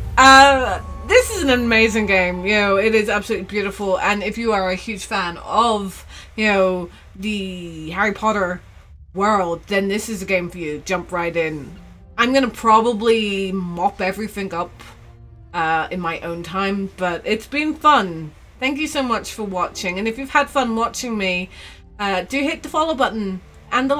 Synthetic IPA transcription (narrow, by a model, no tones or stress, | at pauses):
ʌ | ðɪsɨzɨ̃n̩ɨmeɪzɪ̃ŋɡẽɪ̃mjɨnoʊɪɾɪzæb̥səlʉtˡlibjʉɾəfl̩ˠə̃nɪfjɨə˞ɨhj̥ʉd̥ʒ̥fæ̃nʌvjɨnoʊ | ðɨɦɛɹipʰɑɾə˞ | wɜ˞lˠd̚ðɨ̃nðɪsɨzɨɡẽɪ̃ɱfə˞jɨd͡ʒʌ̃mpɹaɪɾɪ̃n | ʔãɪ̃mɡʌñəpʰɹ̥ɑbəblimɑpɛvɹiθɪ̃ŋʌp | ʌɨ̃nmaɪʔõʊ̃ntʰãɪ̃mb̥ʌɾɪtsb̥ɨ̃nfʌ̃n | θæ̃ŋk̬jɨsoʊmʌt͡ʃfə˞wɑt͡ʃɪ̃ŋɨ̃nɨfjʉv̥əd̥fʌ̃nwɑt͡ʃɪ̃ŋmi | ʌd̥ɨɨhɪt̪̚ðəfɑlˠoʊbʌʔn̩ | ʔə̃nðə